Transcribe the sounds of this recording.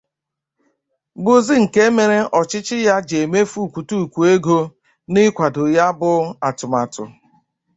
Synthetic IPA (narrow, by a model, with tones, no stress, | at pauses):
bʊ˦zi˦ŋ̩˨ke˦me˨ɾe˦ɔ˨t͡ʃɪ˦t͡ʃɪ˦ja˦d͡ʒe˨me˦fu˦˨kʷu˨tu˦˨kʷu˨e˦ɡo˦ | nɪ˦kʷa˨dʊ˨ja˦bʊ˦a˨tʊ˨ma˨tʊ̰˨